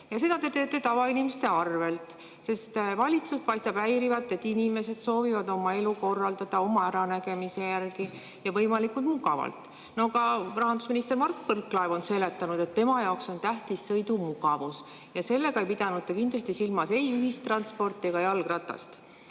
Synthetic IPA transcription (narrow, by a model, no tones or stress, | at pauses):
jɑs̬e̞d̪̥ɑt̪e̞t̪e̞ːt̪ːˑe̞t̪ɑvɑinimest̪e̞ɑrve̞lt̪ˑ | se̞st̪vɑlʲit̪sust̪̚pɑjst̪ɑb̥æjɾivɑt̪ːˑe̞t̪ːinime̞se̞d̪̥so̞ːvivɑd̪o̞mɑe̞luko̞rːɑld̪̥ɑd̪̥ɑo̞mɑæɾɑnæɡe̞mise̞jærɡi | jɑvɤ̞jmɑlikːult̪muɡɑvɑ̰lt̪ˑ | noɡɑrɑɦɑnd̪̥usminist̪emɑrkːpɤrkːˑlɑevo̞nse̞le̞t̪ːˑɑnud̪̥e̞t̪ːe̞mɑjɑokso̞nt̪æht̪isːɤ̞jd̪umuɡɑvus | jɑse̞lːe̞ɡɑejpid̪̥ɑnud̪t̪ːekind̪lɑst̪isilmɑse̞jyɦist̪rɑnspo̞rt̪ːˑeɡ̥ɑjɑlɡrɑt̪ːˑɑ̰st̪